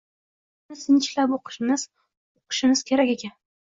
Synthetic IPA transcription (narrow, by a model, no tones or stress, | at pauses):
ʊnɪsɪnt͡ʃɪlapoqʰɨ̥ʃɪmɪz̥ | oqʰɨ̥ʃɪmɪz̥kʲʰe̞ɾakʲe̞kʲan